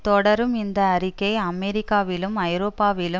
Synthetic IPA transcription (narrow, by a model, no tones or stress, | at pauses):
t̪ɔɽɐɾumind̪ɐːɾikeːɐmeɾikaːʋilumɐjɾɔːpːaːʋilu